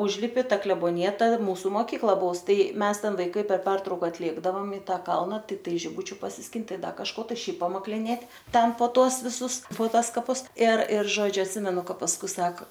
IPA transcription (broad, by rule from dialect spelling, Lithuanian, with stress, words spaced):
ˈʊʒʲlʲɪpʲɪ ˈtɐ klʲɛboːnʲɪˈjɛ ˈtɐ ˈmuːsʊ moːˈkʲiːklˠɐ ˈbʊʋʊs ˈtɐɪ ˈmʲɛs ˈtʲɛn ʋɐɪˈkɐɪ pʲɛr ˈpʲɛrtrɐʊkɐ ɐtʲˈeːɡdɐʋoːm ɪ ˈtɑː ˈkɐlˠnɐ tʲɪkˈtɐɪ ʒʲɪˈbʊt͡ʃʲʊ pɐsʲɪsʲˈkʲɪnt ˈtɐɪ ˈdɐ kɐʃˈkoː tɐɪ ˈʃʲɛɪp pɐmɐklʲɪˈnʲeːtʲ ˈtʲɛn poː ˈtuɔs ʋʲɪˈsʊs poː ˈtuɔs kɐˈpʊs ɪr ɪr ˈʒoːd͡ʒʲʊ ɐtʲˈsʲɪmʲɛnʊ ˈkɐ pɐsˈkʊɪ ˈsɐk